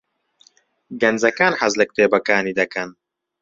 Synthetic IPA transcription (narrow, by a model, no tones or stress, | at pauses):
ɡɐnzɐkaːnħɐzlɨk̚t̪eːbɐkaːniːd̪ɐkɐn